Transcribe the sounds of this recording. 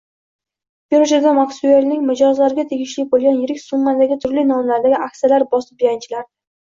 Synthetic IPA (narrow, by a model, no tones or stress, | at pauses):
beɾʊʃaɡ̪ʲamaksueɾnɪŋʲmɪd͡ʒɒzlaɾɪɡʲat̪ʰeɡʲɪʃlɪk̚ʲbolˠɡʲanjɪɾɪkʲsʊɴːad̪aɡʲɪt̪ʰʊɾlɪnɒmlaɾd̪aɡʲɪʔakʲsijalaɾbɒsɪ̥pjant͡ʃʰɪlaɾ